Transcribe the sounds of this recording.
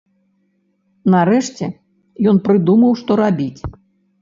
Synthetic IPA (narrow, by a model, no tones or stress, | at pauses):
naɾɛʂt͡sʲɛ | jɔnpɾɨd̪umɐwʂt̪ɔɾabʲit͡sʲ